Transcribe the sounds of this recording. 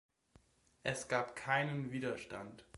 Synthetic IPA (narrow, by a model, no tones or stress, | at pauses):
ʔɛsɡ̥aːpkʰaɪnənviːdɐʃta̰nt